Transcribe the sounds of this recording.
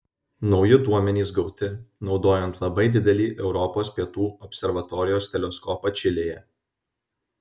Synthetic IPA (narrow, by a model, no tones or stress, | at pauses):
nɒʊjɪd̪uɔmʲɛnʲiːsɡɒʊt̪ʲɪnɒʊd̪oːjɛnt̪lˠɐbɐɪd̪ʲɪd̪ʲɛlʲiːʔɛʊɾɔpoːspʲiɛt̪uːɔpʲsʲɛɾʋɐt̪ɔɾʲɪjoːst̪ʲɛlʲɛskɔːpɐt͡ʃʲɪlʲeːjɛ